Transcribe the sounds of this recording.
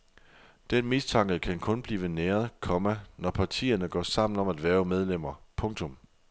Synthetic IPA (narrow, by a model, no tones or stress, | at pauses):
d̥enmist͡sʰɑ̈ŋɡ̥ð̩ˠkʰænkʰɔ̽nb̥liːʋəneːɐð̞ˠkʰɒ̽mænɒpʰɑ̈t͡sʰḭːɐnəɡ̥ɒ̰ːsɑ̈m̰n̩ɒ̽mæd̥ʋæːɐʊmeð̞ˠlem̰ɐpʰɔ̽ŋt͡sʰɔ̽m